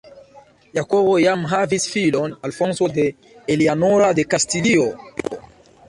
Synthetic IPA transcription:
jakowojamɦavisfilɔnalfɔnsod̪eː | lianoɾad̪ekastilio

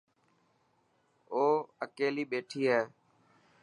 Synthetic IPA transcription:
oːəkeːliːɓeːʈʰiːɦɛː

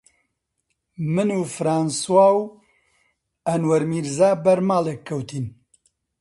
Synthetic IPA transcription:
mɨnuːfɾaːnswaːw | ɐnwɐɾmiːɾzaːbɐɾmaːlekʰːɐwt̪iːn

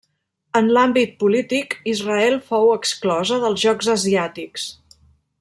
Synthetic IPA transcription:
ənlambit̪̚pulit̪ikizrəɛlˠfowəksklɔzəðəlˠzʒɔɡzəziat̪iks

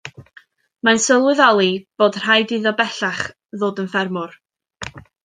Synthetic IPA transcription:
mansəlˠwɪɨðɔlˠib̥oːdr̥ajdɨðɔbɛɬaχ | ðoːdənfɛrmʊr

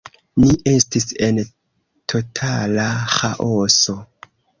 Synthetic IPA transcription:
niʔe̞stise̞n | tʰo̞tʰalaxaʔoso̞

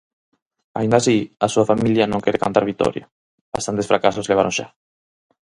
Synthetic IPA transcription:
a̰ĩnd̪asiasuafamiljanõŋkeɾekant̪aɾβit̪o̰ɾja | b̥ast̪ant̪esfɾakasosleβaɾõnʃa̰

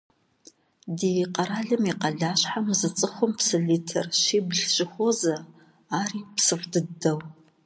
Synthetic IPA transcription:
dijqɐɾaːɮɨmiqɐɮaːɕħamzɨt͡sʼɨχʷʊmpsɨɮiːtʰɐrʃiːbɮɕʼɪxʷozɐ | aːriːpsɨχʷdɨdɐw

